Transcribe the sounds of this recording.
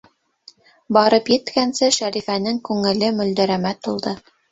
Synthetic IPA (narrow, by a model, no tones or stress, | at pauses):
bɑɾɤpjɘ̆t̪kænsɘʃæɾifænɘŋkʉŋɘ̆lɘmɵ̆ld̪æ̆ɾæmæt̪ulˠd̪ɤ